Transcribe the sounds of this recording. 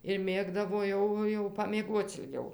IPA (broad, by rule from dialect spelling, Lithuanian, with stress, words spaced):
ɪr ˈmʲeːɡdɐʋoː ˈjɛʊ jɛʊ pɐmʲiɛˈɡuɔt͡s ɪlʲˈɡʲɛʊ